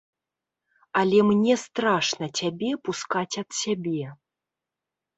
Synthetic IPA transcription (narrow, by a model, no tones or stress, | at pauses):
alʲɛmnʲɛst̪ɾaʂnɐt͡sʲabʲɛpuskat͡sʲɐt̪sʲabʲɛ